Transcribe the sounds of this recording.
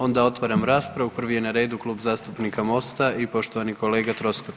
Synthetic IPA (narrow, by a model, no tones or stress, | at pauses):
o̞nd̪ao̞t̪ʋaɾamɾaːspɾaʋupr̩ʋijenaɾe̞ːd̪uklˠuːbzaːst̪upnikamo̞st̪aipo̞ʃt̪oʋaniko̞le̞ːɡat̪ɾoskot̪